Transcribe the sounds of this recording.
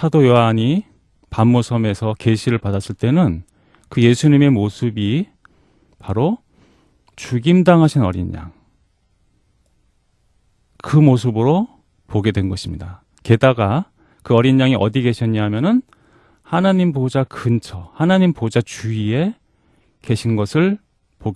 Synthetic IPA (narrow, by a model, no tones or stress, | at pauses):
sʰadojoaɲi | pamːosʰʌme̞sʰʌke̞ɕʰiɾɯɭpadas͈ɯɭt͈e̞nɯn | kɯje̞sʰuɲime̞mosʰɯbi | paɾo | t͡ɕuɡimdaŋɦaɕʰinʌ̰ɾḭɲɲa̰ŋ | kɯmos̬ʰɯbɯɾo | poɡe̞dwe̞nɡʌɕʰimɲida | ke̞daɡa | kɯʌɾiɲːaŋiʔʌ̰diɡe̞ɕʰʌɲaɦamjʌnɯn | hanaɲimpod͡ʑakʰɯnt͡ɕʰʌhanaɲimpod͡ʑat͡ɕuie̞ | ke̞ɕʰinɡʌsʰɯɭ | poɡ